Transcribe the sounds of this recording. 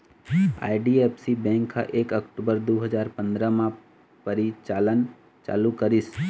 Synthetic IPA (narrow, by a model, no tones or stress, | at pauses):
a̰ːɪɖiepsibɛ̃ːŋkʰːa̰ʔeːkɐkʈuːbəɾd̪oːɦəd͡ʒaːɾpə̃nd̪ɾəmã | pəɾit͡ʃaːlən | t͡ʃa̰ːlukəɾɪs